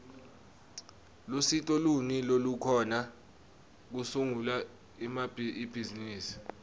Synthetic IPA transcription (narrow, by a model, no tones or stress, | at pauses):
lusitʼɔlunilolukʰɔna | k̬usuŋula | mabib̥ʱiziniːsi̥